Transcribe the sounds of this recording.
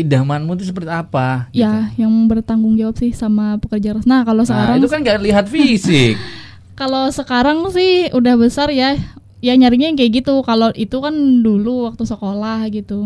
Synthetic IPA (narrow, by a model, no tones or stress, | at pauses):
idamanmut̪̬us̬əpərt̪iapajajaŋbərt̪aŋɡʊŋd͡ʒawap̚sɪhsamapəkərd͡ʒarasnakalosəkaɾaŋt̪ukanɡaʔliɦat̪fisɪk̚ | kalosəkaɾaŋsɪhudahbəsarja | jaɲaɾikɲajŋkajaɡit̪ukaloʔit̪ukanduluwak̚t̪usəkolahɡit̪u